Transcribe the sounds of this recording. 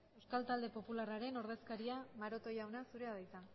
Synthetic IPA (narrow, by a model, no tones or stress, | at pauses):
ewskalt̪ald̪e̞po̞pularaɾe̞no̞ɾð̞e̞skaɾiamaɾo̞t̪o̞jawnasuɾe̞aðajt̪a